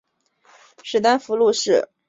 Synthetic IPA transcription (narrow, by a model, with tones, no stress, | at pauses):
ʂɻ̩˥˩t̪a˥nfu˧˥lu˥˧ʂɻ̩˥˩